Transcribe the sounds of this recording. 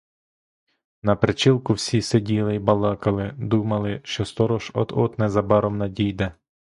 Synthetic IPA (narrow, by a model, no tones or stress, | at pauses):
nɐpɾɪt͡ʃilˠkʊwsʲisedʲilˠɪjbɐlˠɑkɐlˠɪd̪umɐlˠɪʃt͡ʃɔst̪ɔɾɔʒɔ̰d̪ɔt̪nɛzɐbɑɾɔmnɐdʲijd̪ɛ